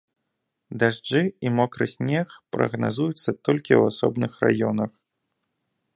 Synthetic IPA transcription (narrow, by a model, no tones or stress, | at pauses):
d̪aʐd͡ʐɨimɔkɾɨsʲnʲɛxpɾɐ̰ɣnazujut̪sːɐt̪ɔlʲkʲiwasɔ̰bnɨxra̰jɔnɐx